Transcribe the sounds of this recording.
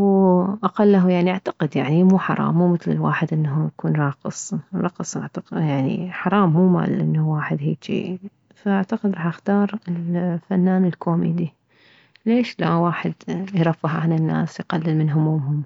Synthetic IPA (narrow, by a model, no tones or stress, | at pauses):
wʔaqalːaɦujaʕniʔaʕt̪ḁqɪd̪jaʕnimuːħɑ̰ɾˤɑ̰ːmːuːmɪθlɪ̰lwa̰ːħɪd̪ʔɪnːɦujkuːnɾˤɑːqɨsˤɾˤɑːqsˤʔa̰ʕt̪aqɪjaʕnḭħɑɾˤɑːmːuːma̰ːlʔɪnːhwaːħɪd̪hiːkʃḭː | faʔaʕt̪aqɪd̪ɾˤɑːħʔaxt̪ɑːɾˤɪlfanːaːnɪlkoːmḛːd̪i | leːʃlawaːħɪd̪jɾˤɑfːɪħʕanɪnːa̰ːsjqalːɪlmɪnɦʊmuːmɦʊm